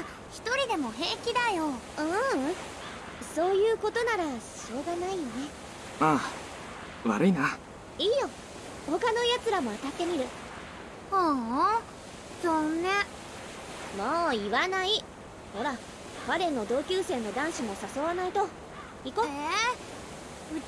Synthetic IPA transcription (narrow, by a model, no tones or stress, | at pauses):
a | çi̥t̪o̞ɾʲid̪e̞mo̞ɦe̞kʲid̪ajo | ɯ̃ | so̞ːjɯ̟ːko̞t̪o̞naɾaɕo̞ːɡanaijone̞ | maː | βa̰ɾɯ̟ina | iːjo̞ | ho̞kano̞jat͡sɨɾamo̞at̪at̪ːe̞mʲiɾɯ̟ | o | sonːa | moːiβanai | ho̞ɾa | baɾẽ̞nːo̞d̪o̞ːkʲɨːse̞ːnːo̞d̪ãɰ̃ɕimo̞saso̞βanait̪o̞ | iko | ɯ